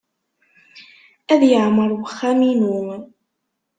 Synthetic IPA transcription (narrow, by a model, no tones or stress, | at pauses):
ʔæðjaʕmɑɾˤwxaminu